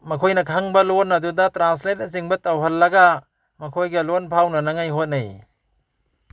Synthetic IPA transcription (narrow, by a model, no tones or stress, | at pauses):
mɐkʰojnɐkʰaŋbɐlonːɐdudɐtɾans̬let̚ɐs̬iŋbɐtawɦɐlːɐɡa | mɐkʰojɡɐlonpʰawnɐnaŋajɦot̚naj